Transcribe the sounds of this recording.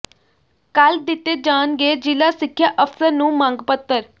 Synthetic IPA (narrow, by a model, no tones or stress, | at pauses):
kəld̪ɪt̪ːeːd͡ʒaːnɡeːd͡ʒɪlaːsɪkʰːjaːʔəfʰsəɾnũːmãːŋɡpət̪ːəɾ